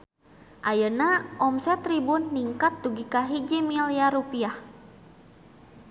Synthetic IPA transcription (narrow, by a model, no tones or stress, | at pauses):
ʔajənaʔɔmsɛt̪ɾibunːiŋkat̪̚ːuɡikaɦid͡ʒimiliaɾupiah